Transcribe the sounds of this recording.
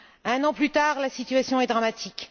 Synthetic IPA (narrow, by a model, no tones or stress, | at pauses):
ɛ̃nɑ̃plyt̪aːʁlasit̪ɥasjɔ̃ɛd̪ʁamat̪ʰik